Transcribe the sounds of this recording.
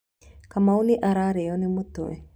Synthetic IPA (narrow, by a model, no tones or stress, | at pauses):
kamauniʔaɾaɾejonimut̪ṵḛ